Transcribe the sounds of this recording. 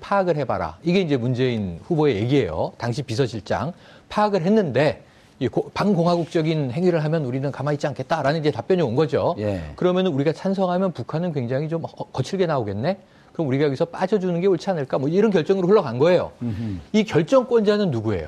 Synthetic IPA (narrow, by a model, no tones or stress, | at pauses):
pʰaːɡɯɭɦe̞ba̰ɾa̰iɡe̞ind͡ʑe̞mund͡ʑe̞inɸuboe̞je̞ɡie̞̰jo̰taŋɕʰipisʰʌɕʰiɭt͡ɕ͈a̰ŋ | pʰaːɡɯɭɦe̞nːɯnde̞ | ekopaŋɡoŋɦaɡuk̚t͡ɕ͈ʌɡinhe̞ŋiɾɯɭɦamjʌnuɾinɯnkamait̚t͡ɕ͈iankʰe̞t̚t͈aɾanɯniɲd͡ʑe̞tap͈jʌɲionɡʌd͡ʑokɯɾʌmjʌnɯnuɾiɡat͡ɕʰans̬ʰʌŋɦamjʌnpukʰanɯnkweŋd͡ʑaŋɦit͡ɕomkʌt͡ɕʰiɭɡe̞naoɡe̞nːe̞ | kɯɾʌmuɾiɡajʌɡisʰʌp͈ad͡ʑʌd͡ʑunɯnɡe̞oɭt͡ɕʰanɯɭk͈amwʌiɾʌnkjʌɭt͡ɕ͈ʌŋɯɾoɸɯɭːʌɡanɡʌe̞jo̰ikjʌɭt͡ɕ͈ʌŋk͈wʌnd͡ʑanɯnːuɡue̞̰jo̰